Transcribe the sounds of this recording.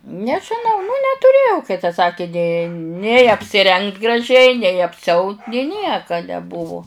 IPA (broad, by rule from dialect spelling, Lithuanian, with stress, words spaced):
nʲɛʒʲɪˈnɐʊ nʊ nʲɛtʊˈrʲeːjɛʊ kɐɪ tɐ ˈsɑːkʲɪ nʲeː nʲɛɪ ɐpʲsʲɪˈrʲɛŋkt ɡrɐˈʒʲɛɪ nʲɛɪ ɐpʲsʲɪˈɐʊt nʲeː ˈnʲiɛkɐ nʲɛˈbʊʋʊ